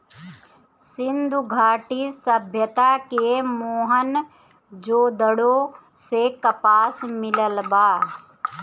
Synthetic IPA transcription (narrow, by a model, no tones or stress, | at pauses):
sɪnd̪ʱuɡʱaːʈisəbʱjət̪akemoːɦən | d͡ʒoːd̪əɽo | sekəpaːsmɪləlbaː